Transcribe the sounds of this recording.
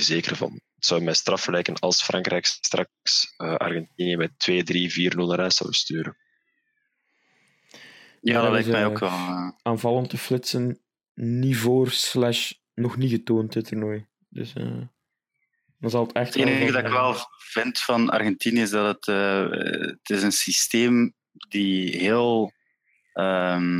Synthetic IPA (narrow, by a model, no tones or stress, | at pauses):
əzeːkəɾəvɑ̰nətsɔwmɛstrɑfəlɛːjkənɑ̰lˠsfrʔɑŋkɾɛjksstrʔɑksəɑ̰rɣɛntiniəmɛtʋeːdriviːrnɵlˠnaɾaːsɔ̰wəstyːɾən | jaːdtlɛjtmɛjokʋɛlaaːnvɑlˠəntəflɪtsənː | ivoːrslæʃ | nɔxniɣətoːntəturnoj | d̥ɵ̰sə̰ | dɑnzɑlˠətɛxtːdɑɪkʋɛlˠvɪntfɑnɑ̰rɣɛntinəɪzdɑdətə | tɪzənsisteːm | diɦeːlˠ | əm